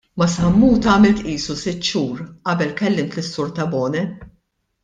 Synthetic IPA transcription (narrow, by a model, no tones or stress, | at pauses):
mɐshɐmːuːt̪ɐːmɪlt̪ʔiːsusɪt̪ːʃuːɾʔɐbɛlkɛlːɪmt̪lɪsːʊɾt̪ɐbɔːnɛ